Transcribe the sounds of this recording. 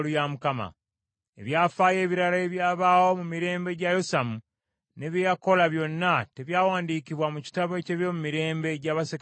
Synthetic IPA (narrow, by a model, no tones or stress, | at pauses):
lujamukama̰ | e̞̰βjaːfaːje̞ːβiɾalaeβjaːβaːwo̞mumiɾe̞ːmbe̞ɟajo̞samu | ne̞βjejako̞laβjo̞nːate̞βjaːwaːndiːkiβwamuci̥taβe̞ce̞βjo̞mumiɾe̞ːmbe̞ɟaβasek